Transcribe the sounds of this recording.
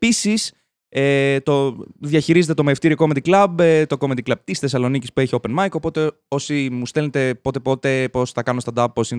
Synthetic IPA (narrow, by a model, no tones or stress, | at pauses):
pisis | et̪oðjɐçiɾize̞t̪et̪omeft̪iɾioko̞mend̪iklɐbt̪o̞ko̞mend̪iklɐb̚t̪isθe̞sɐlo̞nicispue̞çiope̞nmɐjko̞po̞t̪e | o̞simust̪e̞lnet̪e̞po̞t̪e̞po̞t̪e̞po̞sθɐkɐnost̪ɐnd̪ɐpposin